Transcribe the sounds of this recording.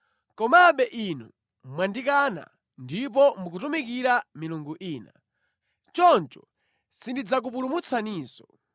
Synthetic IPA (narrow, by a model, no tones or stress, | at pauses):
kɔmaɓɛʔinu | mwandikana̰ | ndip̬ɔmuk̬utumik̬iɾamiluŋɡuʔiːna | t͡ʃɔnt͡ʃɔ | sindid͡zak̬upulumut͡sʰaniːsɔ